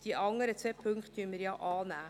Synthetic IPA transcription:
d̥iəʔɑŋəɾət͡sʋepʰɵŋkχttyənmɪɾjɑːʔɑːnæː

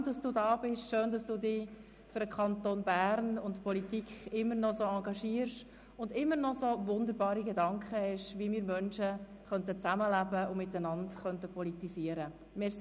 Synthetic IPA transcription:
d̥ɑsd̥uːdɑːbɪʃʃøːndɑsd̥uːdɪ | fʏɾdəkʰχɑntoːnbæːɾnʊntpɔlitikχɪmːənɔsoɑŋɡɑʃiːəɾʃ | ʊndɪmːəɾnɔsovʊnd̪əɾbɑːɾiɡɛdɑŋkχəhɛʃʋimiːɾmœnʃə | χœntət͡sæməlæbəʊmɪtːənɑntχœntəpɔlitisiəɾə | mɛs

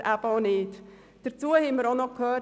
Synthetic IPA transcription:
ʔæb̥əoneːt | d̥əɾt͡suːəhɛməɾonɔkʰhøː

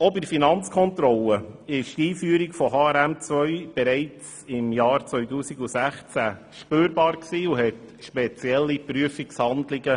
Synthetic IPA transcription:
ɔbiɾfinɑnt͡skʰɔnt̪ɾɔləɪʃtiːfyːəɾikfɔɦɑɛɾæmt͡svœʏb̥ɛɾɛɪt͡s | ɪmjɑːɾt͡sʋœʏtuːsiɡusæχt͡sæ | ʃpøːɾbɑːɾksiːuɦɛtʃpɛt͡sjɛlːipɾyəfikshɑndlɪɡə

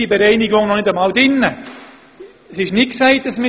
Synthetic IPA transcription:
ibɛɾɛɪniɡʊŋnɔnɪdəmɑːldɪnːə | sɪʃnɪt̚ksɛɪt̚d̥ɑsmɪ

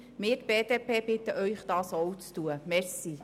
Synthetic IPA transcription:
mɪːɾtb̥eːd̪eːpeːbɪt̪əʔœʏχd̥̪ɑːsowt͡st̪uəmɛɾsi

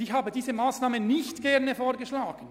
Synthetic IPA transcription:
ɪçhaːbədiːzəmaːsnaːmənɪçtɡ̥ɛʁnəfoːɾɡəʃlaːɡ̥n̩

